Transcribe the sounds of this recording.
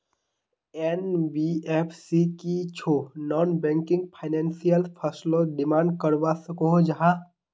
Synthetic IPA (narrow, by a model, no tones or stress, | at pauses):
ɛnbieːpʰsikit͡ʃʰonɔːnbɛ̃ːŋkɪ̃ŋɡpʰaːɪnɛ̃ːnsijəlpʰəslõɖɪmãːɳɖ̚kəɾʋasəkõɦd͡ʒaɦa